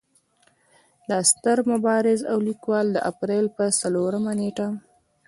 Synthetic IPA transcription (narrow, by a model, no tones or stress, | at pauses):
d̪əast̪əɾmʊbɑɾɪza̰wlikwɑld̪əʔapɾelpəsaloɾəmaneʈa